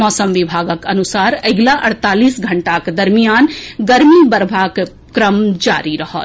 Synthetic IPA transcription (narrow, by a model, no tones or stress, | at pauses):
ɔːsəmʋɪbʱaːɡəkɐnusaːɾɐɡlaʔɐɽt̪aːliːsɡʱɐɳʈakd̪ɐɾmijaːnɡɐɾmibɐɾbʱaːk | kɾəmd͡ʒa̰ːɾiɾɐɦɔ̰ːt̪